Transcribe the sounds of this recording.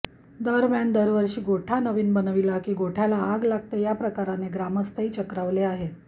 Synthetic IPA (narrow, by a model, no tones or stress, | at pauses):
d̪əɾmjand̪əɾʋəɾɕiːɡoʈʰanəʋiːnbənəʋilakiːɡoʈʰalaːɡlaɡ̚t̪əjapɾəkaɾaneɡɾaməst̪ʰəiːt͡ɕəkɾaʋleaɦet̪